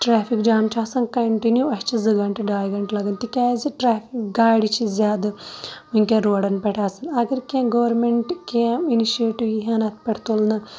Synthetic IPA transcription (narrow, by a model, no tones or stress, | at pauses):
ʈɾaːpʰikd͡ʒaːmt͡ʃaːsɐŋkɐɳʈinjuɐt͡ʃizɨɡɐɳʈɨɖaːjɡɐɳʈlaɡɐnt̪ikaːziʈɾaːpʰikɡaːjɖit͡ʃizaːd̪ɨuŋkeɾoːɽɐnpɛʈaːsɐnɐɡɐɾkeːmɡɐʋɐɾmeɳʈkeminiʃieːʈiʋiɦɐnɐt̪pɛʈt̪ulɐnɐ